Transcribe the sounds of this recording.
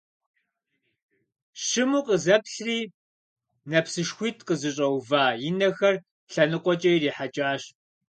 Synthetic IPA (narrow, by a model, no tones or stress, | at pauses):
ɕɪmuːqəzɐpɬriː | nɐpsɨʃxʷiːtʰqəzɨɕʼɐwvaːjɪnɐxɐr | ɬɐnɨqʷʼɔt͡ʃʼɐjiriːħat͡ʃʼaːɕ